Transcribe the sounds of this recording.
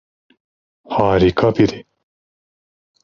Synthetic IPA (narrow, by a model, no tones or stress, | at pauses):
haːɾikʰɐpiɾi